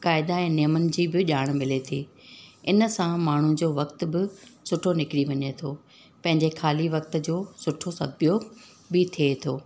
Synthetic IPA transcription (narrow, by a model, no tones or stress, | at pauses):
kaːɪd̪aɛ̃ːnijəmənɪ̆d͡ʑiːbɪʄaːɽ̃mɪlet̪ʰḭːɪnəsãmaːɳ̤ũd͡ʑoːʋɐkt̪̆bɪsʊʈʰonɪkɪɽiʋɐɲet̪ʰoː | pɐ̃ɦɪ̃ɲd͡ʑexaːliʋɐk̚t̪̆d͡ʑoːsʊʈʰosɐɡbijoː | bɪt̪ʰiet̪ʰoː